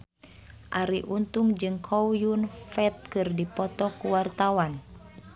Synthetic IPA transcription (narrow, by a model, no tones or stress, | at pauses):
ʔaɾiʔunt̪uŋd͡ʒɨŋkʰɔwjunfɛt̪̚kɨrdipɔt̪ɔkuwart̪awan